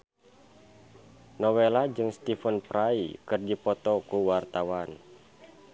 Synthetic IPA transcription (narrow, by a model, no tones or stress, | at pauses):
nɔwelad͡ʒɨŋst̪ifənpɾaikɨrdipɔt̪ɔkuwart̪awan